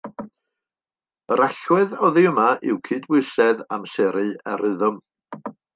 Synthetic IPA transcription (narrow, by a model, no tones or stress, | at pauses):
əɾʔaɬwɛðɔðiəmaʔɪwkʰɨːdwʊsɛðamsɛɾɨaɾɨðʊm